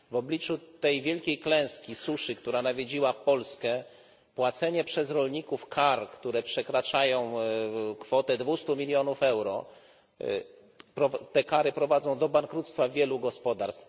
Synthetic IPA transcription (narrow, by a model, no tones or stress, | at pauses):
vɔblʲit͡ʂut̪ɛjvʲjɛlkʲejklɛ̃w̃skʲisuʂɘkt̪uɾanavʲjed͡ʑiwapɔlskɛ | pwat̪sɛɲɛpʂɛzɾɔlɲikufkʰaɾkt̪uɾɛpʂɛkɾat͡ʂajɔ̃w̃kfɔt̪ɛd̪vust̪umʲilʲjɔnufɛwɾɔ̰ | pɾɔt̪ɛkaɾɘpɾɔvad̪zɔ̃w̃d̪ɔbaŋkɾut̪st̪favʲjɛluɡɔspɔd̪aɾst̪f